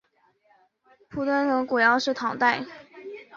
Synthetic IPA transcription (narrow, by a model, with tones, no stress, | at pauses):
pʰu˨˧˥t̪wə˥nt̪ɤ˧˥ŋkwu˨˩jɑ˥˧ʊʂɻ̩˥˩t̪ʰɑ˨˥ŋt̪a˥˩ɪ